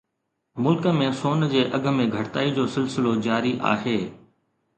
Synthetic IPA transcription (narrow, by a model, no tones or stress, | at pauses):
mʊlkəmẽsoːnd͡ʑeːʔɐɡʱə̆mẽɡʱɐɽt̪aːid͡ʑoːsɪlsɪlod͡ʑaːɾiʔa̰ːɦeː